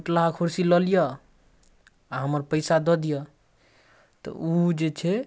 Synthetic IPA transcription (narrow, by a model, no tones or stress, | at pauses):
ʈlaɦakʰuɾsilɔlijɔ | aɦəməɾpəɪsad̪ɔd̪ijɔ | t̪ɔ̰ʔud͡ʒet͡ʃʰɛ